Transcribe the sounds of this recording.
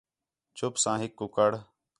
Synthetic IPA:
t͡ʃʰʊpsãːɦɪkːʊkəɽ

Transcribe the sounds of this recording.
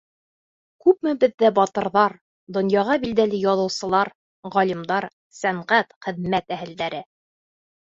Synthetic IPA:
kʉpmɘbɘ̆ðːæbɑt̪ɤ̆ɾðɑɾ | d̪ŏnjɑʁɑbild̪ælɘjɑðɤ̆wsɤ̆lˠɑɾ | ʁɒlimd̪ɑɾ | sæɴʁæt̪χɘ̆ðmæt̪æhɘ̆ld̪æɾɘ

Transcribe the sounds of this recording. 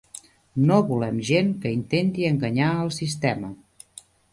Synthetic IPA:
noβulɛmʒenkəint̪ent̪iəŋɡəɲaəlˠsist̪ɛmə

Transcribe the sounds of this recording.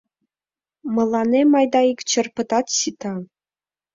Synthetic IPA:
mɤ̆lˠːɑnemɑjd̪ɑikʲt͡ɕɤ̆rpɤ̆t̪ɑt̪ɕit̪ɑ

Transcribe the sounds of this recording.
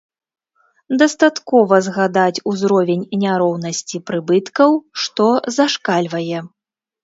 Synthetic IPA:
d̪ɐst̪at̪kɔvɐzɣad̪at͡sʲuzɾɔvʲenʲnʲaɾɔwnɐsʲt͡sʲipɾɨbɨt̪kɐwʂt̪ɔzaʂkalʲvɐjɛ

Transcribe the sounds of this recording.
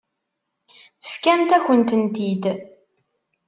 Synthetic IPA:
əfkænt̪æçənt̪ənt̪id̪

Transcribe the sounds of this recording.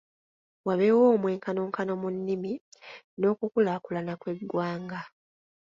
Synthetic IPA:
waβe̞wo̞ːmwe̞ːŋkano̞ŋkano̞munːimi | no̞ːkukulakulanakwe̞dwaːŋɡa

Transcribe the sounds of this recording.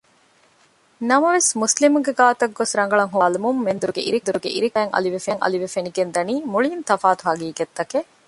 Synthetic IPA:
nɐmɐʋesmuslimuŋɡeɡaːt̪ɐɡːosɾɐŋɡɐɭɐŋɦoːlimumːend̪uɾuɡḛʔḭɾid̪uɾuɡḛʔḭɾikæːŋʔɐ̰liʋefeŋʔɐ̰liʋefeniɡend̪ɐniːmuɭiint̪ɐfaːt̪uɦɐɡiːɡet̪ːɐke

